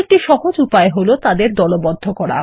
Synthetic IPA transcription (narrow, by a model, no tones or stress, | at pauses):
k̚ʈiʃɔɦod͡ʑupaeɦolot̪ad̪eɾd̪ɔlobɔd̪ʱːokɔɽa̰